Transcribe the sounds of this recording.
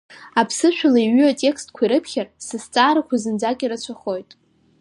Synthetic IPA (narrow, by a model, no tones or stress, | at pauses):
apʰsɨʃʷʰᶣalaiɥyatʲʼe̞kstʰʼkʷʰaiɾɨpʰχʲarsɨst͡sʼaːɾakʷʰazɨnd͡zakʼiɾɨt͡ɕʷʰaχo̞jtʼ